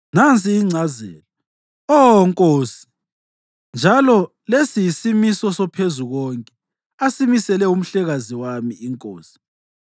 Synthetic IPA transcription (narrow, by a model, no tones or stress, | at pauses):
nant͡sʼiːŋ͡ǀʱazɛ̰ːlɔ | ɔŋkʼoːsi̥ | nd͡ʒʱalɔ | lesijisimisɔsɔpʰezuɣɔŋkʼɛ | asimisɛlɛum̩ɬɛɣaziwamiːŋkʼoːsi̥